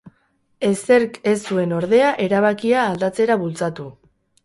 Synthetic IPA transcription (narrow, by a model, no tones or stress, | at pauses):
e̞se̞ɾke̞sːue̞no̞ɾðe̞aʔe̞ɾaβ̞akiaːld̪at͡se̞ɾaβult͡sat̪u